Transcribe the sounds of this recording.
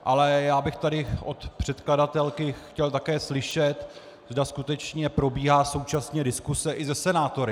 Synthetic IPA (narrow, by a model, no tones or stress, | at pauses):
ʔalɛjaːbɪxt̪adɪʔo̞t̪pr̝̥ɛt̪kladat̪ɛlkɪxcɛlt̪akɛːslɪʃɛt̪ | zdaskut̪ɛt͡ʃɲɛpɾo̞biːɦaːso̞wt͡ʃasɲɛdɪskusɛʔɪzɛsɛnaːt̪o̞ɾɪ